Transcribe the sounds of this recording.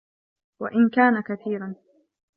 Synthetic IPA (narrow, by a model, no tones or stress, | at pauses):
waʔɪnkaːnakaθiːɾan